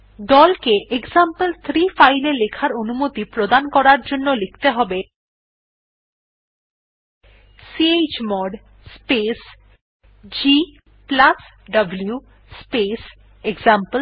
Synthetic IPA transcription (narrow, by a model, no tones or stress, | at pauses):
d̪ɔlkeʔekzampəlt̪ʰɾifajlelekʰaɾonumot̪ipɾod̪ankɔɾaɾd͡ʑonːolekʰt̪eɦɔbe | siet͡ɕmɔɖ | spes | d͡ʑi | plas | ɖʌblu | spes | eɡzampə